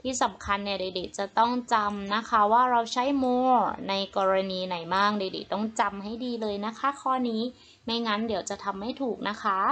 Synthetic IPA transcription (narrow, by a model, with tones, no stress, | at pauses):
t̪ʰiː˥˩sa˨˩˦mkʰa˧nːi˥˩ɐdeː˧di˨˩t̪̚t͡ɕa˨˩t̪ɔ˥˩ŋt͡ɕa˧mna˦˥kʰa˦˥waː˥˩ɾa˧wt͡ɕʰa˦˥jmoː˧˩na˧jkɔː˧ɾa˧niː˧na˩˦jmaː˥˩ŋ̚deː˧dḭ˨˩t̚t̪ɔ˥˩ŋt͡ɕa˧mɦa˥˩jdiː˧lɤː˧jna˦˥kʰa˦˥kʰɔː˥˩niː˦˥ | ma˥˩jŋa˦˥ndi˩˦əwt͡ɕa˨˩t̪ʰa˧mːa˥˩jt̪ʰuː˨˩k̚na˦˥kʰa˦˥